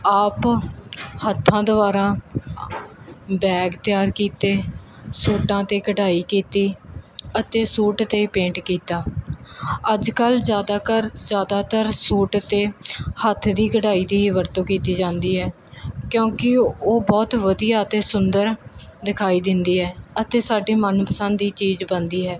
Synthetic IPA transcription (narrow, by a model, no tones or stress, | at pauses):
aːp | hət̪ʰːãːd̪əʋaːɾãː | bɛːɡt̪ɪjaːɾkiːt̪eːsuːʈãːt̪eːkəʈaːiːkiːt̪iːət̪eːsuːʈt̪eːiːpẽːɳʈkiːt̪aː | əd͡ʒkəld͡ʒaːd̪aːkəɾd͡ʒjaːd̪aːt̪əɾsuːʈt̪eːhət̪ʰd̪iːkəʈaːiːd̪iːiːʋəɾt̪õːkiːt̪iːd͡ʒãːnd̪iːɦɛː | kjõːkɪoːbɔːt̪ʋəd̪ijaːət̪eːsʊnd̪əɾd̪ɪkʰaːiːd̪ɪnd̪iːɦɛːət̪eːsaːɖiːmənpəsə̃nd̪iːt͡ʃiːzbənd̪iːɦɛː